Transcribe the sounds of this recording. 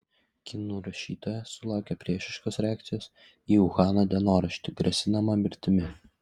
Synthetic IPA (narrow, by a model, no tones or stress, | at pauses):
kʲɪnuːɾɐʃʲiːt̪oːjɛsʊlˠɑˑʊkʲɛpʲɾʲiɛʃʲɪʃkoːsɾʲæːk̚t̪sʲɪjoːs | iːʊxɑːnoːd̪ʲɛnoːɾɐʃʲt̪ʲɪɡɾʲɛsʲɪnɐmɐmʲɪɾʲt̪ʲɪmʲɪ